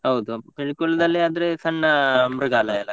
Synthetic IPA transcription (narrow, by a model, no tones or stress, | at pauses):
ɦɐwd̪upiɭikuɭɐd̪ɐlːiaːd̪ɐɾesɐɳːɐmɾɐɡaːlɐɐlːɐ